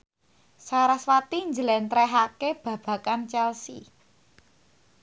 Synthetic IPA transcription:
saɾaswat̪iɲd͡ʒəlɛnt̪ɾɛɦakeb̥ä̤b̥ä̤kant͡ʃɛlsḭ

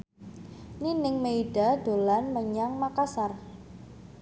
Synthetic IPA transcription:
ninɪŋmeiɖ̥a̤d̪̥olanməɲaŋmakasar

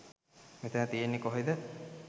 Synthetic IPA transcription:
met̪ənət̪ijenːikoɦid̪ə

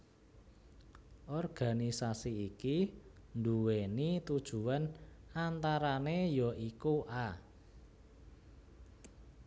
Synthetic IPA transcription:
ʔɔrɡ̥a̤nisasiiki | nd̪uwenit̪ud̥ʒ̥ṳanant̪aɾanejɔʔikuʔa

